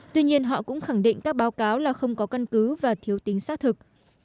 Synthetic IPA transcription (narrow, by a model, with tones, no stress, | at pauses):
t̪wi˧ɲi˧ənɦɔ̰˧˨kʊ̰˧˥ŋ͡mxa˧˩ŋɗḭ˧˨ŋ̟kaː˦˥k̚ɓaː˨˦wkaː˨˦wlaː˨˩xə˧wŋ͡mkɔ˨˦ka˧nkɨ˨˦vaː˨˩t̪ʰi˨˦əwt̪i˨˦ŋsaː˦˥t̚t̪ʰɨ˨˩k̚